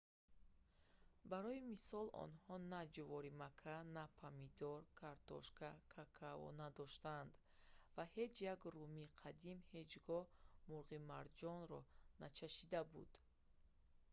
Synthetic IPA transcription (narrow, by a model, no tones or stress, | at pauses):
baɾɔimisɔlɔ̰nhɔnad͡ʒuvɔɾimakʰanapʰamid̪ɔɾkʰaɾt̪ɔ̰ʃkʰakʰakʰavɔ̰nad̪ɔʃt̪and̪ | vahe̞d͡ʒjaɡrumiqʰad̪imhe̞d͡ʒɡɔmuɾʁimaɾd͡ʒɔnɾɔnat͡ʃʰaʃid̪abṵd̪̥